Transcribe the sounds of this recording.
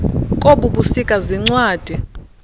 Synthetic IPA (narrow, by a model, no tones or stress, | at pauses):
kʼoɓuɓusikʼaziŋ͡ǀwaːd̥ʱi